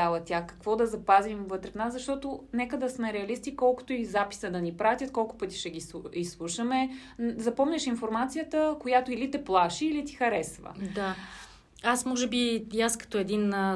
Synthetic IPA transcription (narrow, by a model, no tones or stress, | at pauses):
alˠət̪ʲjakɐ̥kvɔd̪ɐzɐpazimvɤt̪ɾɛknaszɐʃt̪ɔt̪onɛkəd̪ɐsmɛɾɛɐlist̪ikɔlˠkʊ̥t̪oizapi̥səd̪ɐnipɾat̪ʲjət̪̚kɔlˠkʊ̥pɤt̪i̥ʃɛɡʲisislˠuʃəmɛzɐpɔmnʲɛʃinfoɾmat̪sijət̪əkojat̪oilit̪ɛplˠaʃiːlit̪i̥xɐɾɛsvə̰d̪a | asmɔʒɛbijaskɐ̥t̪oɛd̪in